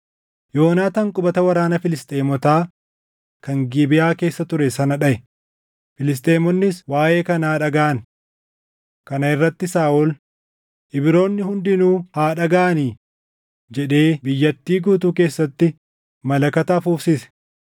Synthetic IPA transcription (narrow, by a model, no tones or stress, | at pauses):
jo̞ːnaːt̪ɐŋkʼʊbɐt̪ɐwɐɾaːnɐfɪlɪst̪ʼeːmɔt̪aː | kɐŋɡiːbɪjaːke̞ːsːɐt̪ʊɾɛsɐnɐᶑɐʔɛ | fɪlɪs̬t̪ʼe̞ːmɔnːɪswaːʔe̞ːkɐnaːᶑɐɡaːɐn | kɐnɐɪrːɐt̪ːɪsaːʔɔl | ʔɪbɪɾo̞ːnːɪhʊnd̪ɪnuːhaːᶑɐɡaːɐniː | d͡ʒɛᶑe̞ːbɪjːɐt̪ːiːɡuːt̪uːk̬e̞ːsːɐt̪ːɪ | mɐlɐkɐt̪ɐfuːfsɪsɛ̥